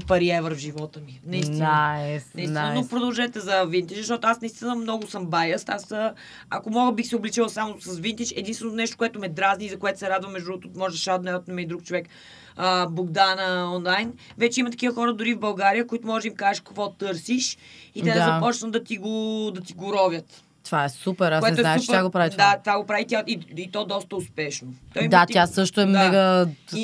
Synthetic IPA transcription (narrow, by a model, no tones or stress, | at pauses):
pɐɾiɛvəɾvʒivɔt̪əminɐist̪inənɐiinnopɾod̪ɐlˠʒɛt̪ɛzɐvint̪ɛt͡ʃzɐʃt̪ɔt̪oasnɐist̪inəmnɔɡʊsəmbajəst̪asə | ɐkomɔɡəbixsɛʊblit͡ʃilˠɐsamosɐsvint̪ɛt͡ʃɛd̪inst̪vɛnonɛʃt̪o̥kʊɛt̪ʊmɛd̪ɾazniizɐkoɛt̪o̥sɛɾad̪vəmːɛʒd̪ɾuɡot̪omɔʒɛd̪ɐʃad̪nɛət̪nɛmɛid̪ɾuk̚t͡ʃovɛk | əboɡd̪anəɔnlˠajnvɛt͡ʃɛimət̪ɐ̥kʲivəxɔɾəd̪ʊɾivbɐlˠɡaɾijəkʊit̪ʊmɔʒɛd̪imkazɛʃkɐkvɔt̪ɤɾsiʃit̪ɛd̪azɐpɔt͡ʃvəmd̪ɐt̪iɡod̪ɐt̪iɡʊɾɔvʲjət̪ | t̪vaɛsupkɛɾaskoɛɛoɛnauʃp̪aɡopɾavid̪at̪vaɡopɾavit̪jaiit̪ɔd̪ɔst̪əʊspɛʃnot̪ɔjimd̪at̪ʲjassɤʃt̪oɛmɛɡəi